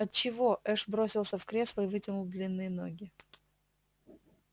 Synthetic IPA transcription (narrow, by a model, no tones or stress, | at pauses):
ɐt̪̚t͡ɕɪvoʔɛʂbɾosʲɪlˠsʲəfkɾʲe̞slˠəɪvɨtʲɪnʊlˠd̪lʲinːɨjəno̞̰ɡʲɪ